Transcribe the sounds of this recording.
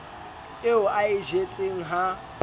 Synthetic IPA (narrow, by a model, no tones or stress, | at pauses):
eʊaɪʒet͡sʼeŋ̩ɦa